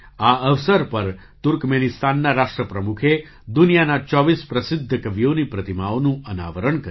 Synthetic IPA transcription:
aəʋsəɾpəɾ | t̪uɾkmenist̪anːaɾaʃʈɾəpɾəmukʰe | d̪unijanat͡ʃɔʋispɾəsɪd̪ʱːəkəʋijonipɾət̪imaonũəna̰ʋəɾəɳkə

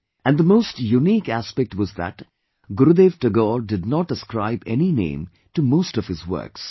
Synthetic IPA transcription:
æ̃nd̪əmoːsʈjuniːkæspɛk̚ʈwɔzðæ̰ʈ | ɡʊɾud̪eːʋʈəɡɔːɾɖɪd̚nɔʈ̚əskɾa̰ɪbɛninḛ̃ːm | ʈumoːstɔv̥hɪzwə̰ɾks

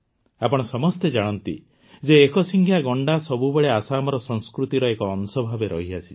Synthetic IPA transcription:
apɔɽ̃ɔsɔmɔst̪ed͡ʒaɽ̃ɔnt̪ḭ | d͡ʒeːkɔsiŋɡʱʰjaɡɔɳɖasɔbubeɭeasamɔɾɔsɔŋskɾut̪iɾɔekɔːnsɔbʱabeɾɔ̰ɦiasʰi̥

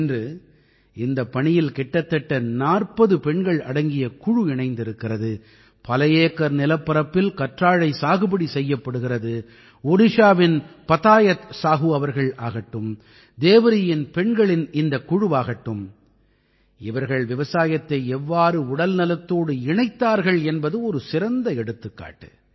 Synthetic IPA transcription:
ndrɯ | ɪnd̪ɐpːɐɳɪjɪlkɛʈːɐt̪ːɐʈːɐnaːrpɐðɯpɛɳɡɐɭɐɽɐŋɡɪjɐkʊɻɯɪɳɐɪnd̪ɪɾɯkːɪrɐðɯ | pɐlɐjeːkːɐɾnɪlɐpːɐɾɐpːɪlkɐʈraːɻɐɪsaːɣɯbɐɽisɛjːɐpːɐɽɯɣɪrɐðɯ | ɔɽɪʂaːʋɪnpɐt̪aːjɐt̪saːɣɯɐʋɐɾɣɐɭaːɣɐʈːɯm | d̪eːʋɪɾɪjɪnpɛɳɡɐɭɪnɪnd̪ɐkːʊɻɯʋaːɣɐʈːɯm | ɪʋɐɾɣɐɭʋɪʋɐsaːjɐt̪ːɐɪɛʋːaːɾɯʊɽɐlnɐlɐt̪ːoːɽɯɪɳɐɪt̪ːaːɾɣɐɭɛnbɐðɯɔɾɯsɪɾɐnd̪ɐɛɽɯt̪ːɯkːa̰ːʈːɯ

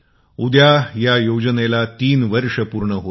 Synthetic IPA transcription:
ud̪jajajod͡ʑənelat̪iːnʋəɾʂəpuɾɳəɦo

